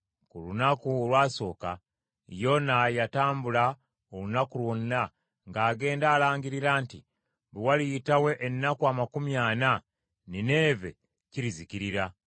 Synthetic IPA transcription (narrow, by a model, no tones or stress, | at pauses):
kulunakuolwaːso̞ːka̰ | jo̞najataːmbula | olunakulwonːa | ŋɡaːɡe̞ːndaːlaːɲɡiɾiɾaːnti | βiwalijitawe̞ʔːnːakuamakumjaːna | nine̞ːve̞̰ | ciɾiziciɾiɾa